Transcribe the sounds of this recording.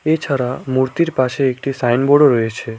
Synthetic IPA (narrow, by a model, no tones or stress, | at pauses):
et͡ʃʰəɾamuɾt̪iɾpaʃeːkʈisajnboɽoɾəet͡ʃʰe